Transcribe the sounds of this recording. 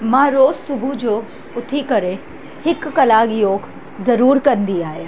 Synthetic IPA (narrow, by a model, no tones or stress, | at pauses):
mãːɾoːzsʊbʱud͡ʒoː | ʊt̪ʰikɐɾe | hɪkːɐlaːɡjoːɡ | zɐɾuːɾkɐɾnd̪iaːjaː